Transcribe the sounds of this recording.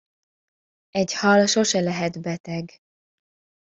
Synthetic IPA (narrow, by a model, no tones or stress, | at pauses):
ɛɟhɒlʃo̞ʃɛlɛɦɛd̪bɛt̪ɛɡ